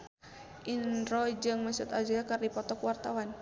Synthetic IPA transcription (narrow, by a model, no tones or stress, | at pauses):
ʔinɾɔd͡ʒɨŋməsut̪ad͡ʒɡakardipɔt̪ɔkwart̪awan